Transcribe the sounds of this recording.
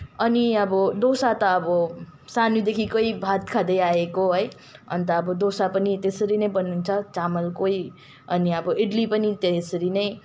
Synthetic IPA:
ʌniʌbʌd̪osat̪ʌːbʌsanjud̪ekʰikojbʱat̪kʰad̪ʌjaekoɦʌj | ʌ̰nt̪ʌːbʌd̪osapʌnit̪esʌɾinʌjbʌnːunt͡sʰʌt͡samʌlkoj | ʌniʌbʌeɖlipʌnit̪esʌɾinʌj

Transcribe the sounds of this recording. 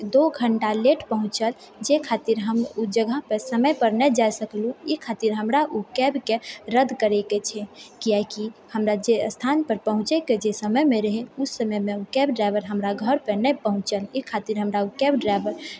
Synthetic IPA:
d̪oɡʱəɳʈaleʈpəɦũt͡ʃəl | d͡ʒekʰat̪iɾɦəmud͡ʒəɡʱəɦpesəməjpəɾnɛd͡ʒajsəklũikʰat̪iɾɦəmɾaʔukɛbkeɾəd̪ʱkəɾɛket͡ʃʰɛkiakihəmɾad͡ʒeəst̪ʰanpəɾpəɦũt͡ʃɛked͡ʒesəməjmeɾəɦɛusəməmeukɛbɖɾaɪbəɾɦəmɾaɡʱəɾpenɛpəɦũt͡ʃəlikʰat̪iɾɦəmɾaukɛbɖɾaɪbəɾ

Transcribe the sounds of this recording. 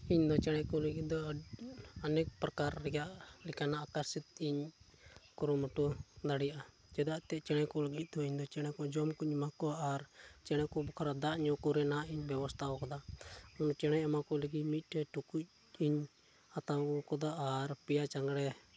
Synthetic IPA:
iɲd̪ɔt͡ʃɛɽ̃ɛkɔləɡid̪ɔ | anɛk̚pɾakaɾːɛɡaʔlikanaʔːkaɾsit̪̚iɲ | kɔɾumɔʈud̪aɽijʔa | d͡ʒɛd̪aʔt̪ɛt͡ʃɛɽ̃ɛkɔləɡit̪̚d̪ɔiɲd̪ɔt͡ʃɛɽ̃ɛkɔd͡ʒɔmkuɲimakɔʔaɾt͡ʃɛɽ̃ɛkɔbɔkʰaɾad̪aʔɲɔkuɾɛnaiɲbɛbɔst̪ʰaɔkɔd̪aɔnt͡ʃɛɽ̃ɛamakɔləɡimit̪̚ˀʈɛʈukuc̚ | iɲ | at̪awɔkɔd̪aːɾpɛjat͡ʃaŋɡɽɛ

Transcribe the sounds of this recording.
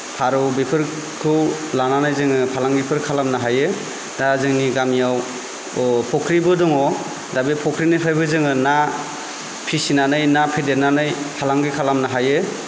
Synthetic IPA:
pʰaɾɯwbepʰɯɾ | kʰɯw | lananɯjzɯŋɯpʰalaŋbipʰɯɾkʰalamnaɦajɯ | dazɯŋniɡamijaw | pʰɔkʰɾibɯdɔŋɔ | dabepʰɔkʰɾinɯjpʰajbɯzɯŋɯna | pʰisinanɯjnapʰedenanɯjpʰalaŋɡɯjkʰalamnaɦajɯ

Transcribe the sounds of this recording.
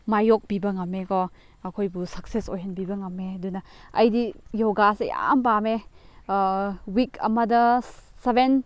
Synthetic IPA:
majok̚bibɐŋɐmːekɔ | ɐkʰojbusɐksesojɦɐnbibɐŋɐmːeɐdunɐɐjdijowɡaseja̰mpame | wikʰɐ̰mɐdɐseben

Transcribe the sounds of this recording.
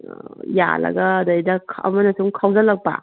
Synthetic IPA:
ja̰lɐ̰ɡɐːdɐjdɐkʰɐ̰mɐnɐsuŋkʰawzɐlɐk̚pa̰

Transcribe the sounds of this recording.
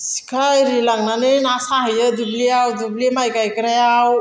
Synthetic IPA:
si̥kʰajɾilaŋɡnanenasaɦjəd͡z̪ubliawd̪ublimajkajkəɾajaw

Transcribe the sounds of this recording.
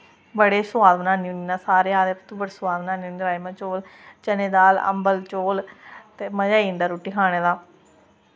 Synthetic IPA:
bəɽeːsʊaːd̪bnãːniːʊniːnãːsaːɾeːaːd̪eːpt̪ubəɽeːsʊaːd̪bənaːniːuniɾaːmãːt͡ʃoːlt͡ʃəneːd̪aːlə̰mbəlt͡ʃoːlt̪eːməd͡ʒaːiəndaːɾuːʈiːkʰaːɽ̃eːd̪aː

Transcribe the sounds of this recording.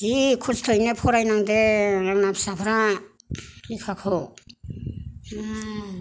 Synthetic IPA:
zikʰustʰɔjnepʰɔɾajnaŋdeaknapsapʰɾa | ikʰakʰɔw

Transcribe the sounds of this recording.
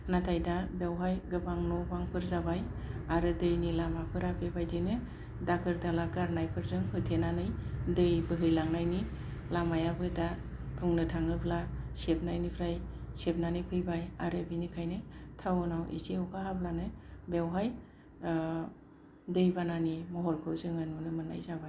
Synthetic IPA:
natʰajdabewɦajɡɯbaŋnɔbaŋpʰɯɾzabaj | aɾɯdɯjnilamapʰɯɾabebajdɯnɯ | dakʰɯɾdalaɡaɾnajpʰɯɾzɯŋhɯtʰenanɯjdɯjbɯɦɯjlaŋnajni | lamajabɯdapʰuŋnɯtʰaŋnɯpʰlasep̚ʰnajnipʰɾajsep̚nanipʰɯjbajaɾɯbinikʰajnɯtʰawnawʔḛseɔkʰaɦablanɯbewɦaj | dɯjbananimɔɦɔɾkʰɯwzɯŋanunɯmɯna̰jzabaj

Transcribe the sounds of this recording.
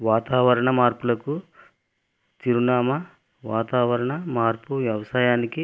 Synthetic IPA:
ʋaːt̪aːʋɐɾɐɳɐmaːɾpulɐku | t̪iɾunaːmɐ | ʋaːt̪aːʋɐɾɐɳɐmaːɾpuʋjɐʋɐsaːjaːniki

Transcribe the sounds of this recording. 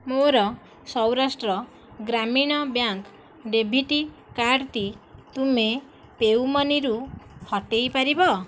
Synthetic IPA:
moɾɔ | sɔwɾasʈɾɔ | ɡɾamiɽ̃ɔbjaŋk | ɖebʱiʈi | kaɽt̪it̪ume | pewmɔniɾuhɔʈejpaɾibɔ

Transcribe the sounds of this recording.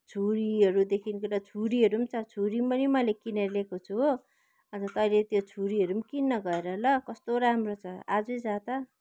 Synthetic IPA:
t͡sʰuɾiɦʌɾud̪ekʰinkelat͡sʰuɾiɦʌɾumt͡sʰʌt͡sʰuɾimpʌnimʌlekineɾlekot͡sʰuɦo | ʌnd͡zʌt̪ʌjlet̪jot͡sʰuɾiɦʌɾumkinːʌɡʌeɾʌlʌkʌst̪oɾamrot͡sʰʌad͡zud͡zad̪ʌ

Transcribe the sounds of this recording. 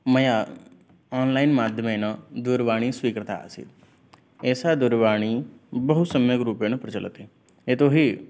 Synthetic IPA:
mɐja | aːnlaːinmaːd̪ʱjəmenad̪ʊɾʋaːɽ̃iswʋiːkɾət̪a̰sḭt̪̚ | eːsad̪ʊɾʋaːɽ̃ibəɦut̪səmjəkɾuːpenũpɾət͡ʃələ̰t̪e | eːt̪oɦi

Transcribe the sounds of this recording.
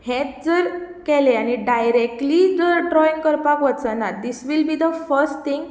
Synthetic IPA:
hẽt̪̚d͡zəɾkɛleañiɖajɾek̚ʈlid͡zəɖɾɔĩŋɡkəɾpakʋət̪t͡sanad̪isʋilbiːd̪əfəɾsʈt̪ĩŋɡ

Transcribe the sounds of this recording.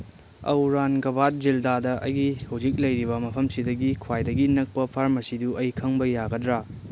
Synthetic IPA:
ɐ̰wɾanɡɐbat̚d͡ʒildadɐʔɐ̰jɡihɐwd͡ʒik̚lɐjɾibɐmɐpʰɐmsidɐɡikʰwajdɐɡinɐk̚pɐpʰaɾmɐsiduʔɐjkʰɐŋbɐjaɡɐdɾa

